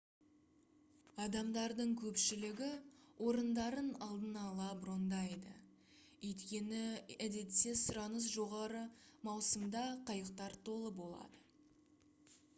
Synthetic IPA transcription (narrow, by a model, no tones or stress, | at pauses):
ɑd̪ɑmd̪ɑɾd̪əɴkʲʰɵpʃɪlɪɡʲɪwʔo̞ɾənd̪ɑɾənɑlˠd̪ənɑlˠɑbʊɾo̞nd̪ɑjd̪ə̰ | ɵjt̪kʲe̞nɪæd̪e̞t̪se̞sʊɾɑnəs̬ʒo̞ʁɑɾəmɑwsəmd̪ɑqʰɑjəq̚t̪ɑɾt̪ʰo̞lˠəbo̞lˠɑ̰d̪ə